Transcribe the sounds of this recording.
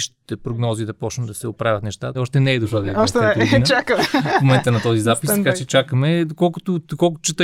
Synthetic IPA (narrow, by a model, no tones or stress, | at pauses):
ʃt̪i̥t̪ɛpɾʊɡnɔzid̪ɐpɔt͡ʃnt̪d̪ɐsɛopɾavʲɐt̪nɛʃt̪aɔʃt̪ɛnɛɛd̪ʊʃˠad̪ɐɛɔʃt̪ɛɛint͡ʃakəmmomɛnt̪ənɐt̪ɔzizapist̪ɐkat͡ʃɛt͡ʃakəmɛd̪okɔlˠkʊt̪ʊokɔlˠkʊt̪ʊt͡ʃɛt̪ə